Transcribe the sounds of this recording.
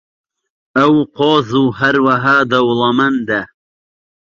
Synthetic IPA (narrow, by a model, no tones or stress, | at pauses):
ɐwqoːzuːɦɐɾwɐɦaːd̪ɐwlˠɐmɐnd̪ɛ